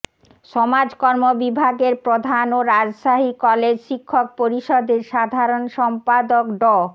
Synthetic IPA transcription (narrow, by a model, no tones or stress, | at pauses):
ʃɔmad͡ʑkɔɾmobibʱaɡeɾpɾod̪ʱanoɾad͡ʑʃaɦikɔled͡ʑʃikʰːok̚poɾiʃɔd̪eɾʃad̪ʱaɾonʃɔmpad̪okɖɔ